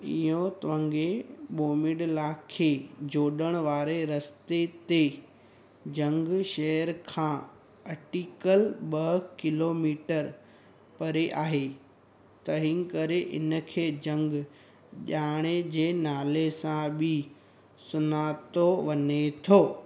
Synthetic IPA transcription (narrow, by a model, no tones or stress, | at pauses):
ɪ̰jõt̪ɐʋə̃ŋɡeɓoːmɪɖlaːkʰːeːd͡ʑoːɗəɽ̃ʋaːɾeɾɐst̪et̪e | d͡ʑɐ̃ŋɡʃɐɦəɾkʰãː | ɐʈiːkəlɓɐɦkɪloːmiːʈəɾ | pɐɾeʔaːɦeː | t̪ɐɦĩŋkɐɾeʔɪ̰nə̆kʰeːd͡ʑɐ̃ŋɡ | ʄaːɽ̃ed͡ʑeːnaːlesãbʱɪ | sʊnaːt̪oʋɐnet̪ʰoː